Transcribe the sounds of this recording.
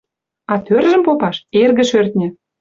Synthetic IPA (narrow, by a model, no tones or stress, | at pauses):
ɑt̪ørʒə̆mpopɑʃerɣə̆ʃørt̪̚nʲɘ̆